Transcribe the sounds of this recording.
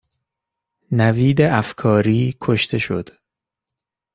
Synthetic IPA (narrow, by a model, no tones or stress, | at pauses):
næviːd̪eʔæfkʰɒːɾiːkʰoʃt̪ʰe̞ʃod̪̥